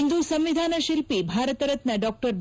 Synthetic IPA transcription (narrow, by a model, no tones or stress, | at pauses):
nd̪usɐmʋid̪ʱanəʃilpibʱaɾət̪əɾət̪nɐɖɔk̚ʈəɾb